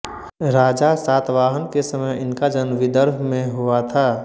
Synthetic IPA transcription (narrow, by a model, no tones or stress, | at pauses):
ɾaːd͡ʒasaːt̪ʋaːɦənkesəməjɪnkad͡ʒənʋɪd̪əɾɦmẽɦuat̪ʰaː